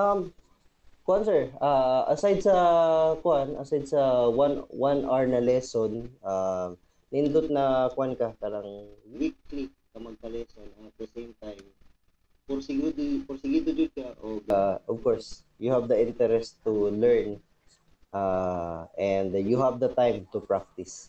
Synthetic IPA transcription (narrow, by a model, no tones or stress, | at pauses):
ʔɐm | kʊʔansɛɹʔaʔɐsajd̪sɐkwanʔɐsajd̪̚sɐwanwanʔaɹnɐlɛsonʔam | nɐʔɪnlʊt̪̚nɐkwankɐkalɐŋwwikːlik̪̚ːɐmɐɡ̚pɐlɛsonɐt̪̚d̪ɐsejmt̪ajm | pɔɾsɪɡud̪pɔɾsɪɡid̪ʊd͡ʒʊd̪̚kaʔoɡʔɔvkoɹs | jʊhavd̪ɐʔɪ̃nt̪ɛɾɛst̪ulɛɹn | ʔaʔɛ̃nd̪juɦavd̪ɐt̪ajmt̪ʊpɹak̚t̪ɪs